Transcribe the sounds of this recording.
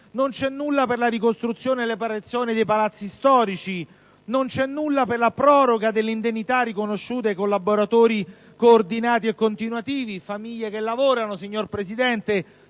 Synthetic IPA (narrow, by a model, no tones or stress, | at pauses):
nont͡ʃɛnːulːaperlaɾikost̪ɾut̪sːjoːnelːepaɾet̪sːjoːnid̪ejpalat̪sːist̪ɔːɾit͡ʃi | nont͡ʃɛnːulːaperlapɾɔːɾoɡad̪elːeind̪enːit̪arikonoʃːuːt̪̬ekolːaboɾat̪oːɾi | koːrd̪inaːt̪iekːont̪inwat̪iːvifamiʎːekelːavoːɾanosiɲːorpɾesid̪ɛnt̪e